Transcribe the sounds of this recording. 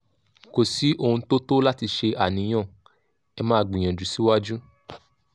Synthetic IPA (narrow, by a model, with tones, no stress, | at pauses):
ko˨si˨˦ʔo˧ũ˧to˦to˦la˦ti˧ʃe˧ʔa˨nĩ˧˦j̃ã˦˨ | ɛ˧mãː˦˨ɡ͡bĩ˨ã˨d͡ʒu˨˦si˦wa˦d͡ʒu˦